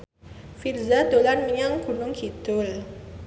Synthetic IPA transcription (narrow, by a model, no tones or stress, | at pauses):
firzad̪olanməɲaŋɡ̥unʊŋkʰit̪ʊl